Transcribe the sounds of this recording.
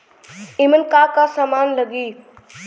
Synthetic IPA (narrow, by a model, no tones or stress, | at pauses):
ɪmənkaːkasamaːnləɡiː